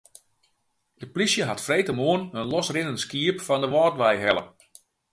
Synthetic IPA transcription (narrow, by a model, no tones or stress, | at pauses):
d̥əplisjəɦatfrejtəmoənənlɔsrɪnənəskiəpfɔndəʋɔːtʋɛjɦɛlˠə̰